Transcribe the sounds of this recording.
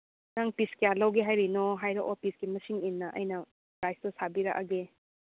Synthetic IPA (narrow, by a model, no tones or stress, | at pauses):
naŋpiskealɐwɡeɦajɾinoɦajɾɐʔɔpʰisɡimɐsiŋinːɐʔɐ̰jnɐ | kɾajstɐsabiɾɐ̰kʔɐɡe